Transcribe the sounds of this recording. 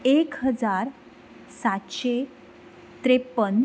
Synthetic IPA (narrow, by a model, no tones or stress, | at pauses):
ekɦəd͡zaɾ | sat̪ɕe | t̪ɾepən